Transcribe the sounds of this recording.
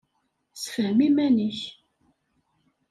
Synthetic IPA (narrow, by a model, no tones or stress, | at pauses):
sfəhmimænəç